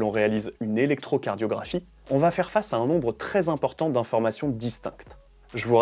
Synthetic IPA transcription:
lɔ̃ʁealizynelɛk̚t̪χokaʁd̪jɔɡʁafi | ɔ̃vafɛʁfasaɛ̃nɔ̃bʁət̪χɛzɛ̃pɔʁt̪ɑ̃d̪ɛ̃fɔʁmasjɔ̃d̪ist̪ɛ̰̃kt̪ | ʒəvu

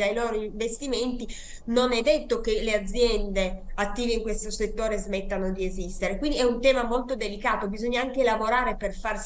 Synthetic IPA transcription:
d̪ajloːɾoiɱvest̪iment̪i | nonɛd̪ːet̪ːok̟elead̪zːjɛnd̪eat̪ːiːveiŋkwest̪oset̪ːoːɾezmet̪ːanod̪iezist̪eɾekwind̪iɛunt̪ɛːmamolt̪od̪elikaːt̪obizoɲːaaŋkelavoɾaːɾeperfars

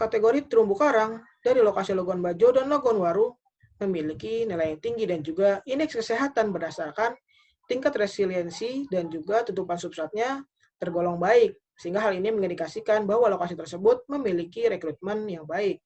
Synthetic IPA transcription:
kat̪eɡoɾit̪əɾumbukaɾaŋ | d̥aɾilokasiloɡɔnbad͡ʒodanloɡɔnwaɾu | məmilikinilajant̪iŋɡidand͡ʒuɡaʔinɛkskəseɦat̪anbərdasarkan | t̪iŋkat̪resiliɛnsidand͡ʒuɡat̪ut̪upansup̚sat̪̚ɲa | t̪ərɡolɔŋbaɪk̚ | səɦiŋɡaɦaliniməŋəndikasikanbahwalokasit̪ərsəbʊt̪̚məmilikiɾekɾut̪̚mənjaŋbaɪk̚

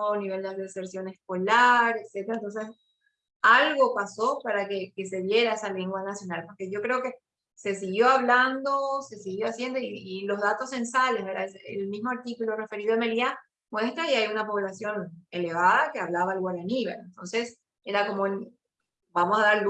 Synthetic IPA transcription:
oaniβe̞ld̪eareseɾsjo̞ne̞skolaɾekse̞t̪eɾaent̪o̞ns̬es | alɣo̞paso̞paɾakekese̞ðje̞ɾaesaleŋɡwanasjo̞nalpo̞ɾke̞ʝo̞kɾe̞o̞ke̞ː | e̞siɣjo̞aβland̪o̞se̞siɣjo̞asje̞nd̪oiːlo̞zðat̪o̞se̞nsalesβeɾaeseḛlmismo̞aɾt̪ikulo̞re̞fe̞ɾiðoemelia | mwe̞st̪ɾaiajunapo̞βlasjo̞ne̞le̞βaðakeaβlaβaalɣoalaniβḛlent̪onse̞s | e̞ɾako̞moen | bamo̞saðaɾl

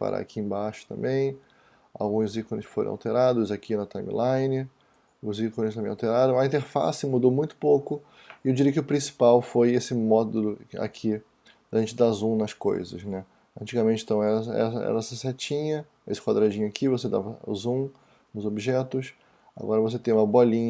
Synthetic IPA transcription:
pa̰ɾa̰a̰kʰiẽbaʃʊ̥t̪ɐ̰̃mbẽj̃ | a̰wɡũzikonɪʊsfoɾḛ̃a̰wt̪eɾad̪ʊzakinɐt̪ãj̃mḭlãjnɪ | ʊzikonɪst̪ɐ̃mẽawt̪eɾaɾɐ̃w̃ɐĩnt̪eɾfa̰sɪmud̪owmũj̃t̪ʊ̥powkʊ | ɪewd͡ʒiɾiɐkɪʊpɾĩsi̥pawfojesɪmɔd̪ʊʊa̰kʰi | d̪aʒẽnt͡ʃɪd̪azũnɐsko̰jzɐ̰snɛ | ɐ̃t͡ʃiɡɐmẽnt͡ʃɪ̃t̪ɐ̃w̃ɛsɐɛ̰sɐɛ̰ɾɐɛsɐsɛt͡ʃĩɲɐ | esɪ̥kwad̪ɾad͡ʒĩɲʊakʰivosed̪a̰vɐ̰zũ | nʊzobiʒɛt̪ʊs | a̰ɡɔɾɐvos̬et̪ẽj̃ũmɐboɔɐlĩɲ

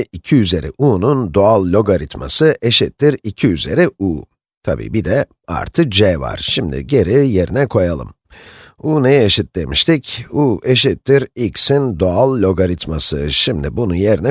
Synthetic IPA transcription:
icʰiyze̞ɾḭʔuːnund̪oalˠːʲo̞ɡaɾit̪ma̰sɯʔe̞ʃit̪ːiɾicʰiyze̞̰ɾiuː | t̪ʰabḭːbid̪ɛ | a̰ɾt̪ʰɯk̚d͡ʒɛva̰ɾ̥ʃimd̪ḭɟe̞ɾije̞ɾinɛkʰo̞jalˠɯ̰m | uːnejeʃit̪̚d̪emiʃt̪ʰicueʃit̪ːiɾiksind̪oalˠːʲo̞ɡaɾit̪masɯ̰ʃimd̪ibunujeɾinɛ

